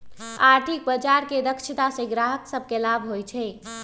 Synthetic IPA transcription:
aɾt̪ʰik̚bəd͡ʒaɾked̪əkʃʰit̪asẽɡɾaɦəksəb̚ʱkelabʱɦojt͡ʃʰɛ

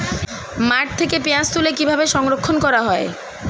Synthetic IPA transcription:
maʈ̚t̪ʰekepiãst̪ulekibʱabeʃɔŋɾokʰːonkɔɾaɦɔe

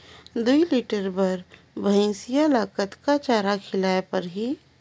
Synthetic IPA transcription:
d̪uilɪʈəɾbɐɾ | bʱɐ̃ɪ̃ːsijalaːkət̪kat͡ʃaːɾakʰɪlaːepɐɾɦiː

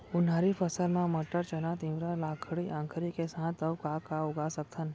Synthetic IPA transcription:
ʊnɦaːɾipʰəsəɾmãmɐʈːəɾt͡ʃənat̪ɪ̃ʋɾalaːkʰəɽiʔãːŋkʰəɾikesãːt̪əwkakaʊɡasək̚t̪ʰən

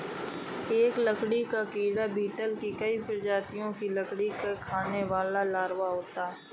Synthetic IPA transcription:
eːkləkɽikakiːɽabiːʈəlkikəipɪɾd͡ʒaːt̪ijõkiləkɽikekʰaːneʋaːlalaːɾʋaɦoːt̪aɦɛ

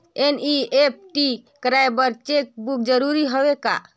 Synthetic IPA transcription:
eniep̚ʈikəɾajbəɾt͡ʃek̚buk̚d͡ʒəɾuɾiɦobeka̰

